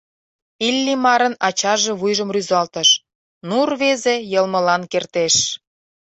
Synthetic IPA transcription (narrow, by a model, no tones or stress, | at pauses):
ilʲːimɑɾənɑt͡ɕɑʒeβujʒəmryzɑlt̪əʃ | nurβezejəlmə̆lɑnkert̪eʃ